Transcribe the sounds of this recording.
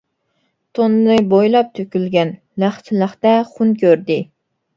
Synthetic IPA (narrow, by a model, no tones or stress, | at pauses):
t̪ʰonnɨbojlˠɑp̚t̪ʰøkʲylɡʲɛn | læχt͡ʃʰɪlˠəχt̪ɛχunkʲʰøɾd̪ɪ